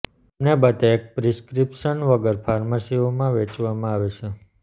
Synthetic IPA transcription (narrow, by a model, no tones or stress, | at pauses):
mnebət̪eːk̚pɾiskɾipʃənʋəɡəɾpʰaɾməsiomãʋet͡ʃʋamãaʋet͡ʃʰe